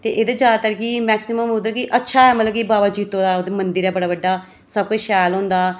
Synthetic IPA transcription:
t̪eːʔeːd̪aːzjaːd̪aːt̪əɾkimɛːksɪməmʊd̪əɾkiʔətːʃʰaːɛːmət̪ləb̚kibaːbaːd͡ʒiːt̪ːoːd̪aːoːd̪eːmənd̪əɾɛːbəɽaːbəɖːaː | səb̚kʊt͡ʃʃɛːlɦõːnd̪aː

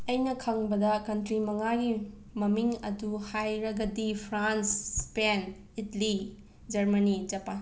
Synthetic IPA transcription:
ɐjnɐkʰɐŋbɐdɐkɐntɾimɐŋaɡi | mɐmiŋɐduhajɾɐɡɐdipʰɾanspen | itɐli | d͡ʒɐɾmɐnid͡ʒɐpːa

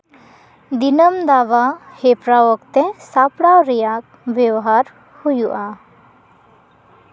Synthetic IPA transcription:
d̪inəmd̪aʋa | hepɾawɔkt̪esapɽawɾijak̚ | ʋjewɦaɾ | hujuʔa

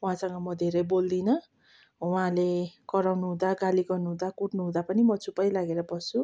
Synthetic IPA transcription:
ũɦãsʌŋɡʌmʌd̪ʱeɾʌjbold̪inʌ | w̃ãlekʌɾawnuɦũd̪aɡaliɡʌrnuɦũd̪akuʈnuɦũd̪apʌnimʌt͡supʌjlaɡeɾʌbʌsu

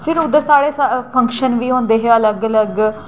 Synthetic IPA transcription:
pʰɪɾʊd̪ːəɾsaːɽeːsapʰə̃ŋkʃənʋiːõːnd̪eːɦeːələɡələɡ

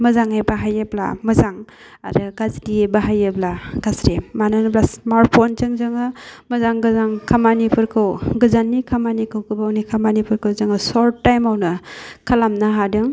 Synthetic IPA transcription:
mɯzaŋebaɦajebla̰mɯzaŋ | a̰ɾɯɡazidiebaɦajeblaɡasɾemanɯnɯplasmaɾ̚pʰonzɯŋzɯŋɯmɯzaŋɡɯzaŋkʰamanipʰɯɾkʰɯwɡɯzanːikʰamanikʰɯwkʰɯbawnikʰamanipʰɯɾkʰɯwzɯŋɯsɔɾtːajmawnɯkʰalamnaɦadɯŋ

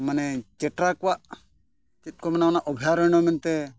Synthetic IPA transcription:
manɛt͡ʃɛʈɾakɔwaʔ | t͡ʃit̪̚ˀkɔmɛnaɔnaʔɔbʱijaɾɔjñɔmɛnt̪ɛ

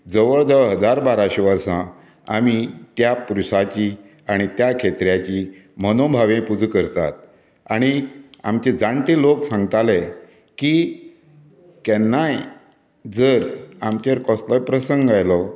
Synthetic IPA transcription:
d͡zəʋəɭd̪əɦəd͡zaɾbaɾaɕeʋəɾsã | a̰mit̪japuɾusat͡ɕi | aɽ̃it̪jakʰet̪ɾjat͡ɕi | mənobʱaʋẽpud͡zkəɾt̪a̰t̪̚ | aɽ̃ia̰mt͡ɕed͡zaɳʈ̪eloksãŋɡt̪ale | ki | kɛnːaj | d͡zəɾamt͡ɕeɾkɔ̃sləjpɾəsəŋɡajlɔ

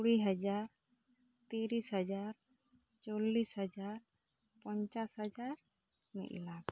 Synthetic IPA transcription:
ɽiɦɔd͡ʒaɾ | t̪iɾisɦɔd͡ʒaɾ | t͡ʃolːishɔd͡ʒaɾ | pɔɲt͡ʃashəd͡ʒaɾ | mḭʔ̚lab

